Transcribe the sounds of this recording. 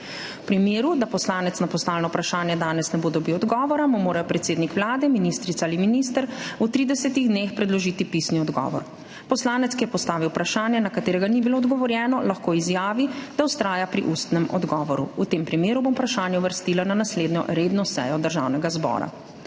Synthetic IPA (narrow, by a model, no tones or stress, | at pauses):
pɾimeːɾud̪apɔslaːnɛt̪snapɔst̪aːlnɔpɾaʃaːnjɛd̪aːnɛsnɛbod̪ɔbiwɔd̪ɡɔːʋɔɾamumoːɾajɔpɾɛt̪seːd̪nikʋlaːd̪ɛminist̪ɾit̪saaliminiːst̪əɾut̪ɾiːd̪ɛsɛt̪iɣd̪neːxpɾɛd̪lɔʒiːt̪ipisniɔd̪ɡɔ̰ːʋɔ̰ɾ | pɔslaːnɛt̪skijɛpɔst̪aːʋiwpɾaʃaːnjɛnakat̪eːɾɛɡanibiloːd̪ɡɔʋɔɾjɛːnɔlaxkoːizjaːʋid̪̥awst̪ɾaːjapɾḭʔust̪nɛmɔ̰d̪ɡɔːʋɔɾṵut̪empɾimeːɾubompɾaʃaːnjɛuʋəɾst̪iːlananasleːd̪njɔ̰ɾeːd̪nɔsɛ̰ːjɔd̪əɾʒa̰ːwnɛɡazbɔ̰ːɾa̰